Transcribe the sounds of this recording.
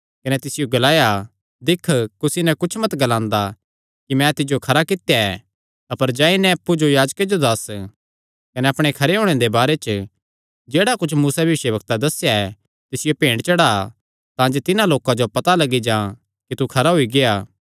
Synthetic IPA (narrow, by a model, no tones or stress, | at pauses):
kɐnɛt̪ɪsɪjoɡɐlaːja | d̪ɪkʰːkʊsinɛkʊt͡ʃʰmɐt̪ɡɐlãːnd̪a | kimɛ̃t̪ɪd͡ʒjokʰɐɾakɪt̪jaɛ | ɐpəɾd͡ʒãːinɛ̃ɐpːud͡ʒojaːd͡ʒked͡ʒod̪ɐs | kɐnɛɐpɽ̃ekʰɐɾeɦoːɽ̃ẽd̪ebaːɾet͡ʃ | d͡ʒeːɽakʊt͡ʃʰmuːsabɪʃəbɐk̚t̪ad̪ɐsjaɛ | t̪ɪsɪjopẽːɽɖt͡ʃɐɽaː | t̪ãːd͡ʒet̪ɪnãloːkãd͡ʒopɐt̪alɐɡid͡ʒãː | kit̪ukʰɐɾaɦoiɡejaː